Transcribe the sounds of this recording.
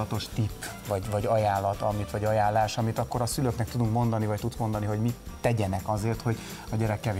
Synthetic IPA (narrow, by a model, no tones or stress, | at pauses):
ɒt̪o̞ʃt̪ipː | vɒɟvɒɟɒjaːlːɒt̪ɒmit̪ʋɒɟɒjaːlːaːʃɒmit̪ɒkːo̞ɾɒsyløknɛk̚t̪ud̪uŋkmo̞nd̪ɒnivɒct̪ut̪smo̞nd̪ɒniɦo̞ɟmit̪ɛɟɛnɛkɒzeːrt̪ho̞ɟ | ɒɟɛɾɛkːɛve